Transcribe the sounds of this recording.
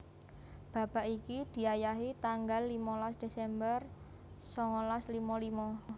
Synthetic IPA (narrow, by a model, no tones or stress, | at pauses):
b̥a̤b̥a̤ʔikid̪̥i̤ajaɦit̪aŋɡalːimɔlasd̪̥e̤sɛmbər | sɔŋɔlaslimɔlimɔ